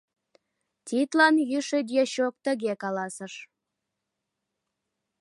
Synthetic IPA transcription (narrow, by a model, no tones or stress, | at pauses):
t̪ʲit̪lɑnjyʃed̪ʲjeɕok̚t̪ə̆ɣekɑlɑsəʃ